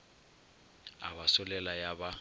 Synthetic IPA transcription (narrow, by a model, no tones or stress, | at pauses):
a̰basʊlɛlajaba